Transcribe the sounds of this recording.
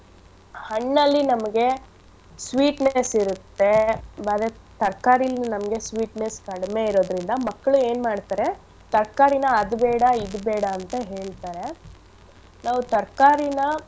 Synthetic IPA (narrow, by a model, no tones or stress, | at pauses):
hɐɳːɐlːinɐmɐɡe̞ | sʋiːʈnesiɾut̪ːe̞aːd̪ɾe | t̪ɐɾkaːɾijlːinɐnɐmɐɡe̞sʋiːʈneskɐɽme̞iɾo̞ːd̪ɾind̪ɐmɐkːɐɭue̞ːnmaːɽt̪aːɾe̞ | t̪ɐɾkaːɾinɐːd̪bɛːɽɐid̪bɛːɽɐːnt̪ɐɦe̞ːɭt̪aːɾe̞ | naːʋut̪ɐɾkaːɾinɐ